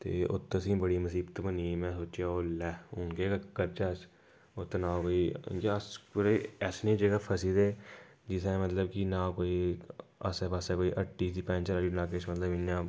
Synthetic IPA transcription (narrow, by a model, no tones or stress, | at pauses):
t̪ḛːʊ̰t̪ʰːəsĩːbəɽiːməsiːbət̪bəniːmɛ̃ːsoːt͡ʃjaːoːlɛːʊnkeːkkəɾt͡ʃaːs | ʊt̪ːnãːkoːiːaəspuɾeɛsnẽːd͡ʒeːɡaːpʰəsiːd̪eː | d͡ʒɪsɛːmət̪ləbkɪnãːkoːiːə̰sɛpəsɛːkoːiːʔəʈːiːsiːpɛ̃ːnt͡ʃəɾaːinaːk̬eːʃmət̪ləbɪnjãː